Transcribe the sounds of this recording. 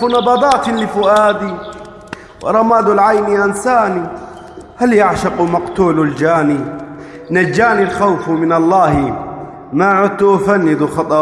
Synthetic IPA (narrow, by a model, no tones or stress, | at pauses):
unɑd̪ˤɑd̪ˤɑːt̪lɪfʊʔaːd̪i | wɪ̰ɾˤɑmaːd̪ulʕajniʔansaːni | haljaʕʃɑqmɑqt̪uːlald͡ʒaːni | nad͡ʒːaːnilxawfmɪnɑlˤːɑːhi | maʕʊt̪ːuʔfanːɪd̪uxɑt̪ˤɑ